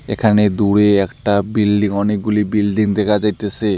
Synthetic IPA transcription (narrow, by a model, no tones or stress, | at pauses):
ḛkʰaned̪uɽeɛkʈabilɖiŋɔnek̚ɡulibilɖiŋd̪ɛkʰazajt̪ese